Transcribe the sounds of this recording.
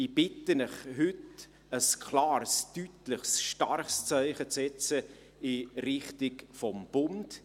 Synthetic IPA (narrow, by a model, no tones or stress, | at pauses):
ib̥ɪtənɪχhʏt | əskʰlɑːɾstytləχsʃtɑrχst͡sœɪχət͡sɛt͡sə | ɪɾɪχtɪkfɔmb̥ʊnd